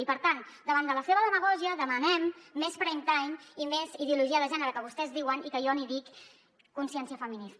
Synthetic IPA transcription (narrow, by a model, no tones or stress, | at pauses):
ipəɾt̪an | d̪əβ̞and̪ələseβəðəməɣ̞ɔʒiəðəmənɛmːespɾejnt̪ajnimeziðiuluʒiəðəʒɛnəɾəkəβust̪ɛzðiwənikəjɔniðikː | unsiɛnsiəfəminis